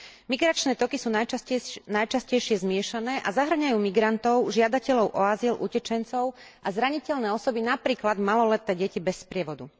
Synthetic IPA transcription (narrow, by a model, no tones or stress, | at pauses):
miɡɾat͡ʃnɛːt̪ɔkisuːnanajt͡ʃascɛjʃɪɛzmɪɛʃanɛːʔazaɦr̩ɲajuːmiɡɾant̪ɔʊʒɪad̪acɛʎɔʊʔɔazilʔucɛt͡ʃɛnt͡sɔʊ | ʔazɾaɲicɛʎnɛːɔsɔbinapɾiːklad̪malɔlɛt̪ɛːɟɛcibɛspɾɪɛʋɔd̪ṵ